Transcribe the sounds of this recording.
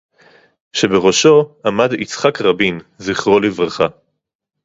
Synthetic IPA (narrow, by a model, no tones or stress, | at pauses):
ʃe̞beʁo̞ʃo̞amadit͡sχakʁabinziχʁolivʁaχa